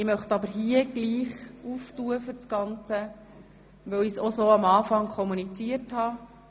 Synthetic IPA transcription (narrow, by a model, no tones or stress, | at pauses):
ɪmœχt̪ɑbəɾɦiəɡ̥liːχuftuəfʏɾsɡ̥ɑnt͡sə | ʋœwisɔsoːɑmɑːfɑŋkʰɔmunit͡siəthɑː